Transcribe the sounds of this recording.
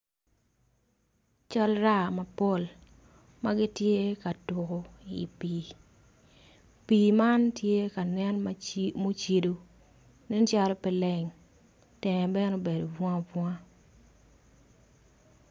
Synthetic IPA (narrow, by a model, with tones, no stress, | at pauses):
t͡ʃɔ˦lɾa˦˨ma˨po˦˨l | ma˦ɡɪ˦tje˦ka˨tʊ˨ko˨ḭ˨piː˨ | piː˨ma˦ntje˦ka˨nɛ˦nmo˦t͡ʃi˦do˦ | nɛ˦nt͡ʃa˦lo˦pɛ˨lɛ˨ŋ | tɛ˨ŋɛ˨bɛ˦no˦be˨do˨vɔ̃˦a˦vwɔ˦a˦